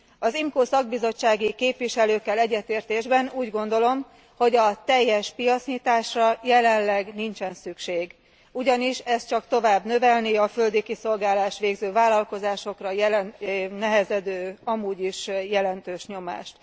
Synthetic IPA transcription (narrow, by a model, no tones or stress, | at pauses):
ɒzimkoːsɒɡ̚bizo̞t͡ʃːaːɡikeːpʋiʃɛløːkːɛlɛɟːɛt̪eːrt̪eːʒbɛnuːɟɡo̞nd̪o̞lo̞m | ho̞ɟɒt̪ɛjːɛʃpijɒt̪sɲiːt̪aːʃrɒjɛlɛnlɛɡnint͡ʃɛnsykʃeːɡ | uɟɒniʃɛst̪t͡ʃɒkt̪o̞vaːbnø̞vɛlniɒfø̞ld̪ikiso̞lɡaːlaːʃʋeːɡzøːvaːlɒlko̞zaːʃo̞krɒjɛlnnɛɦɛzɛd̪øːɒmuːɟiʃjɛlɛnt̪øːʃɲo̞ma̰ːʃt̪